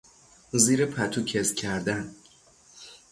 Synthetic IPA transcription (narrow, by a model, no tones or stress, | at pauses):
ziːɾepʰæt̪ʰuːcʰezcʲʰæɾd̪æn